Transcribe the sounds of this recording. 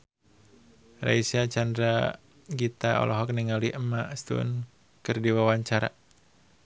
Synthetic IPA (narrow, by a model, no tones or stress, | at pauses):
ra̰isat͡ʃandɾa | ɡit̪aɔ̰lɔɦɔk̚niŋaliʔəmast̪ṵn | kɨrdiwawaɲt͡ʃaɾa̰